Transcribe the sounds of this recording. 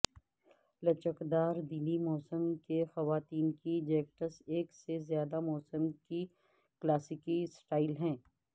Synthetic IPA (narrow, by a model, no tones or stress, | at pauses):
lɐt͡ʃəkd̪aːɾd̪iːnimɔːsəmkexɐʋaːt̪iːnkid͡ʒeːk̚ʈəɾseːksezjaːd̪amɔːsəmki | klaːsɪkisʈaːɪlɦɛ̃ː